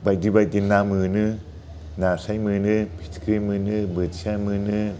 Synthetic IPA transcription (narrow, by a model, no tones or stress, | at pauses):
baj̚dibaj̚dinːamɯnɯ | nasajmɯnɯpʰi̥tʰkʰɾimɯnɯbɯtsamɯnɯ